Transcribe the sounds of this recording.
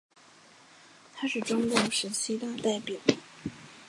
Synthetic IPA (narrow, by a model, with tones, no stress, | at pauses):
t̪ʰa˥ʂɻ̩˥˩ʈ͡ʂʊ˥ŋkʊ˥˩ŋʂə˧˥ɕi˥t̪a˥˧t̪a˥˩ɪpjɑ˨˩˦